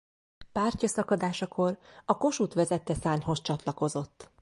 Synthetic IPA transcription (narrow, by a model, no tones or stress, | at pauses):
paːrcɒsɒkɒd̪aːʃɒkʰo̞rɒko̞ʃut̪ʋɛzɛt̪ːɛsaːɲho̞st͡ʃɒt̪lɒko̞zo̞t̪ː